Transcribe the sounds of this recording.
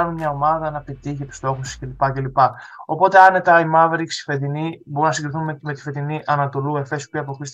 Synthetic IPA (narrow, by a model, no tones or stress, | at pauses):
ɐnunmɲɐo̞mɐðɐnɐpit̪içiepi̥st̪o̞xussce̞lipɐce̞lipɐo̞po̞t̪e̞ɐnet̪ɐimɐveɾiksi̥fet̪iniboɾnɐsiŋɡɾiθunmet̪i̥fe̞ðiniʔɐnɐt̪o̞lue̞fe̞siopiɐp̬oxɾist̪